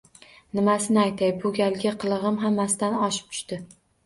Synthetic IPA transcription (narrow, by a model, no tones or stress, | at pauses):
nɪmasɪnɪajt̪ʰajbʊɡʲalˠɡʲaqʰɨlˠɨʁɨmɦamːasɪd̪anɒʃɪ̥p̚t̪ʰʊ̥ʃt̪ɪ